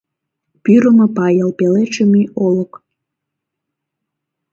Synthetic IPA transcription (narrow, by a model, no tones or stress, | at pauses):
pyɾəmə̆pɑjɑlˠpelet͡ʃəmiolək